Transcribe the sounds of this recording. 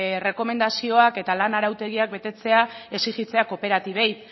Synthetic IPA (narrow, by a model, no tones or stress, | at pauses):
re̞ko̞me̞nd̪asio̞ake̞t̪alanaɾawt̪e̞ɣ̞iak̚be̞t̪e̞t͡se̞ae̞siɣit͡se̞ako̞pe̞ɾat̪iβ̞ejt̪